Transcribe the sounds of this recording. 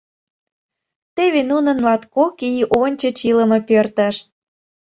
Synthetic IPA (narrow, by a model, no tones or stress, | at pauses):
t̪eβenunə̆nlɑt̪kokijʔonʲt͡ɕə̆t͡ɕilə̆mɤ̆pørt̪ə̆ʃt̪̚